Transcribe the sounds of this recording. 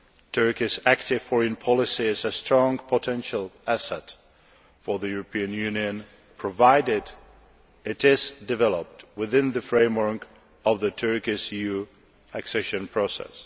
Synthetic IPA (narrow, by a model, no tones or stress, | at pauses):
tʰɜ˞kɪsæk̚tɪv̥fɔɹɨ̃npʰɑlˠɪsiɪzɨstɹ̥ɔ̃ŋpʰətʰɛ̃nʃəl̩ˠæsɛt | fə˞ðɨjuɹəpʰĩɨ̃njʉniɨ̃n | pʰɹ̥ɔvaɪdɪd | ɪɾɪzdɨvɛlˠəp̚twɪðɪ̃nðɨfɹẽɪ̃mwə˞k | ʌvðɨtʰɜ˞kɪʃjʉ | æksɛʃɨ̃npʰɹ̥osɛ̰s